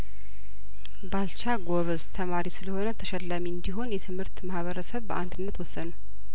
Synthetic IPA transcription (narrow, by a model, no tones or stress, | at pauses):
balt͡ʃaɡoβəzt̪ʰəmaɾisɨləho̞nət̪ʰəʃɛlːamiɨnd̪iɦo̞njɛt̪ʰɨmhɨɾt̪mahβəɾəsəβbəʔand̪ɨnːət̪wɔsːənu